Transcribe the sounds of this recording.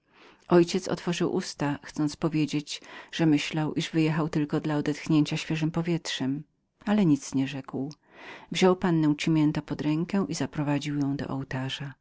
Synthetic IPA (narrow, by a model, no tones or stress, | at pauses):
ʔɔjt͡ɕɛt̪sɔ̰t̪fɔʐɨwʔust̪axt̪sɔnt̪spɔvʲjed͡ʑed͡ʑʐ̥ɛmɘɕlawʔiʐvɘjɛxawt̪ɘlkɔd̪laɔd̪ɛt̪xɲeɲt͡ɕaɕfʲjɛʐɘmpɔvʲjɛtʂɛm | alɛɲit̪sɲɛʐɛkw | vʑɔwpanːɛ̃w̃t͡ɕimʲjɛnt̪ɔpɔd̪ɾɛŋkɛ̃ʔizapɾɔvad͡ʑiwjɔ̃w̃d̪ɔ̰ʔɔwt̪aʐa